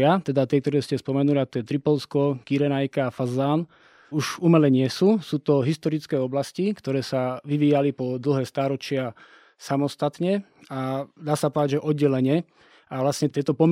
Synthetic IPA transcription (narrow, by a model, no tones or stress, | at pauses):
at̪ɛd̪at̪ɪɛkt̪ɔɾɛːscɛspɔmɛnuliat̪ɔjɛt̪ɾipɔlskɔkiɾɛnajkaːfazaːn | uʒumɛlɛɲɪɛsuːsuːt̪ɔɦist̪ɔɾit͡skɛːɔblascikt̪ɔɾɛːsaʋiʋiːjalipɔd̪l̩ɦɛːst̪aːɾɔt͡ʃɪa | samɔst̪at̪ɲɛad̪aːsapɔʋd̪aɟʒɛʔɔd̪̚ɟɛlɛɲɛ | aʋlasɲɛt̪ɪɛt̪ɔpɔm